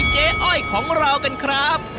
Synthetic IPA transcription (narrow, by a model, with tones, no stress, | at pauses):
t͡ɕeː˧˥ʔɔ˥˩jkʰɔː˩˦ŋɾa˧wka˧nkʰɾa˦˥p̚